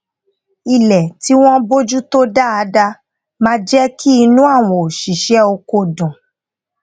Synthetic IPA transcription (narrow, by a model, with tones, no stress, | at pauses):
i˨lɛ˨ti˨˦w̃ɔ̃˦bo˦d͡ʒu˦to˦da˦a˧da˧ | mã˦d͡ʒɛ˦kʰi˦i˧nũ˦a˦˨w̃ɔ̃˨o˨ʃi˨ʃɛ˦o˧ko˧˨dũ˨